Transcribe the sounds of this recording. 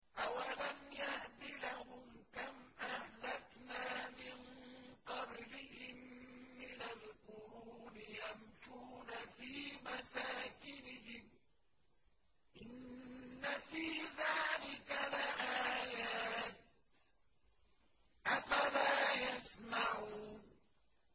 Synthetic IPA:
ʔawalamjahd̪ɪlahʊmkamʔahlaknaːmɪnqɑblɪhɪmːɪnalqʊɾuːnɪjamʃuːnafiːmasaːkɪnɪɦɪm | ʔɪnːafiːðaːlɪkalʔaːjaːt̪̚ | ʔafalaːjasmaʕuːn

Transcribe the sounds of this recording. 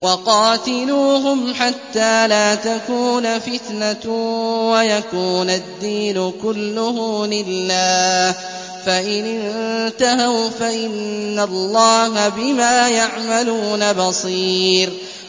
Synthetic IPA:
wɑqɑːt̪ɪluːɦʊmħat̪ːaːlaːt̪akuːnfɪt̪na | wajakuːnad̪ːiːnʊkʊlːʊɦlɪlːaːh | faʔɪnɪnnt̪aɦawfaʔɪnːalˤːɑːɦabɪmaːjaʕmaluːnabɑsˤiːɾ

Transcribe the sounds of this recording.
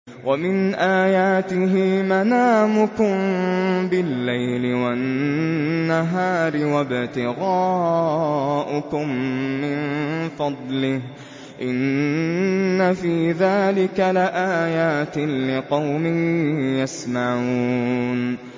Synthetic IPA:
wʔamɪnʔaːjaːt̪ɪɦɪmanaːmʊkʊmbɪlːajlɪwannːaɦaːɾɪwabt̪ɪɣaː | ʔʊkʊmːɪnfɑd̪ˤlɪh | ʔɪnː | afiːðaːlɪkalɪʔaːjaːt̪ɪlɪqɑwmɪhjasmaʕuːn

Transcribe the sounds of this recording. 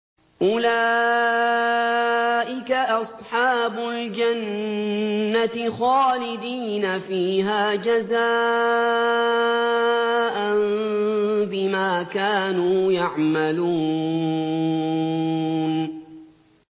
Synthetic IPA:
ʔʊlaː | ʔɪkaʔɑsˤħɑːbʊld͡ʒanː | at̪ɪxaːlɪd̪iːnafiːɦaːd͡ʒaza | ʔan | bɪmaːkaːnuːjaʕmaluː | n

